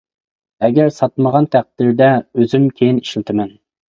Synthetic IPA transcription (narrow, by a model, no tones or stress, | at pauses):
ɛɡʲæɾsɑt̪məʁɑnt̪ʰæq̚d̪̥iɾd̪ɛøzymkʲʰejini̥ʃilt̪ʰɪmɛn